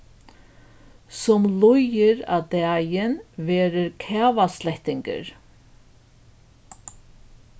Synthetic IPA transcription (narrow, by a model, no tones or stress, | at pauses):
sɔmlʊjɪɾa̰d̪æːjɪnveːɾəɾkʰɛːvaslɛht̪ɪŋkə̰ɾ